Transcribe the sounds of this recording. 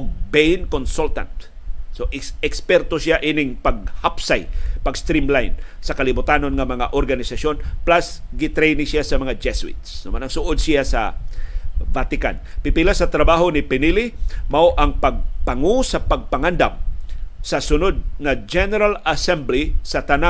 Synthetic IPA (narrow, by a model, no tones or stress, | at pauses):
ɡ̚bɛjnkonsult̪a̰nt̪ | soʔɪɛkspɛɾt̪osɪaʔinɪŋpɐɡ̚hapsajpɐɡst̪ɾimlajnsɐkɐlɪbʊt̪ano̞nŋɐmɐŋaʔoɾɡɐnɪsɐʃo̞nplasɡɪt̪ɾɛjnɪsɪasɐmɐŋad͡ʒɛsʊɪ̰t̪snʊmanɐŋsʊʔod̪̚sɪjasɐ̰ | vat̪ɪka̰npɪpɪlasɐt̪ɾɐbaɦonɪpɛnilɪmɐʔoʔɐŋpɐɡ̚pɐŋosɐpɐɡ̚pɐŋand̪am̚sɐsʊnod̪̚ŋɐd͡ʒɛnɛɾalɐsɛmblisɐt̪ɐna